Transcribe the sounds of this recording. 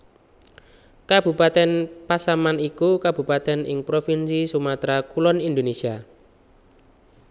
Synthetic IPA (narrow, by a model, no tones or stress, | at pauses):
kab̥ṳpat̪ɛnpasamanikukab̥ṳpat̪ɛnɪ̰ŋpɾofinsisumat̪ɾakulɔnind̪onesia